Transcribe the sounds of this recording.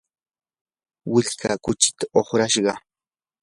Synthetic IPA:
wɪʎkʰaːkʊt͡ʃɪ̥t̪aoχɾaʃɢɑ

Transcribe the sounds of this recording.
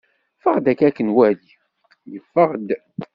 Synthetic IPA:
fəʁd̪ækːækːənwæli | jəfːəʁd̪

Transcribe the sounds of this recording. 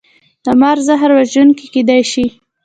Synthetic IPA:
d̪̥amɑɾzaɦɾwaʒunkeked̪ajʃi

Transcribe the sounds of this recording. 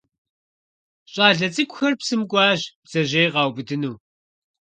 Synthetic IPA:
ɕʼaːɮɐt͡sʼɨkʷʊxɐrpsɨmkʷʼɑːʑbz̥ɐʑeːʁɑːwbɨdɨnuː

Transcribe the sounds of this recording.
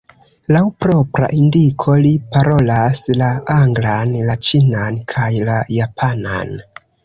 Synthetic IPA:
lawpɾo̞pɾa̰ʔindikʰo̞lipaɾo̞laslaaŋɡlanlat͡ʃinankʰajlajapʰana̰n

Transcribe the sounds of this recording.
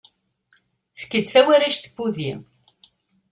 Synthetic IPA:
fkːəd̪θæwæɾæʃθə̥buðim

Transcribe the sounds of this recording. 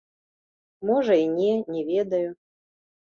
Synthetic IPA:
mɔʐɐinʲɛnʲɛvʲɛd̪ɐju

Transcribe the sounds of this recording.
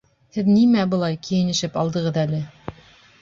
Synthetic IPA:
hɘðnimæbɤ̆lˠɑjkijɘ̆nɘ̆ʃɘpɑlˠd̪ɤ̆ʁɤðælɘ

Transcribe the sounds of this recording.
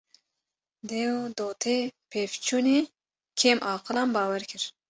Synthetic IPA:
d̪eːwd̪oːt̪ʰepʰeːft͡ʃʰuni | kʲʰeːmʔɑːqʰɨlɑmbɑːwɛɾkʰɨɾ

